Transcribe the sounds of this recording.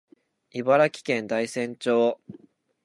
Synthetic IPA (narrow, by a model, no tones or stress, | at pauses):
ibaɾakʲi̥kẽ̞nd̪aisẽ̞ɲt͡ɕoː